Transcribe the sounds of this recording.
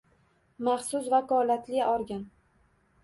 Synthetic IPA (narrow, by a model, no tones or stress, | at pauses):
maχsʊsvakɒlat̪lɪɒɾɡʲan